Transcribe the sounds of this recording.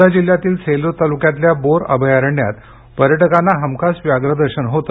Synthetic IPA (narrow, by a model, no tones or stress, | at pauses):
ad͡ʑil̤ːjat̪iːlt͡sʰelot̪alukjat̪ljaboɾə̰bʱəjaɾəɳja̰t̪ | pəɾjəʈəkanːaɦəmkʰasʋjaɡɾəd̪əɾɕənɦot̪ə